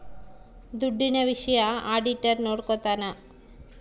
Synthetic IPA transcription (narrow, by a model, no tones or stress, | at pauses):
d̪uɖːinebiʃjaaɖiʈeɾnoɽkɔt̪ana